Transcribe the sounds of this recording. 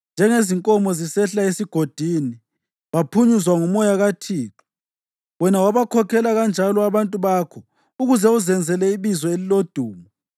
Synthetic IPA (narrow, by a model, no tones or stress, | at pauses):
nd͡ʒʱɛŋeziŋkʼɔmɔzisɛɬaesiɡ̥ʱod̥ʱiːni | βapʰuɲuzwaŋumɔjaɣatʰiːǁɔ̥ | wɛnawaβakʰɔkʰɛlaɣand͡ʒʱalɔaβantʼuβakʰɔ | uɣuzɛuzɛnd͡zʱɛlɛiβizɔelilod̥ʱuːmɔ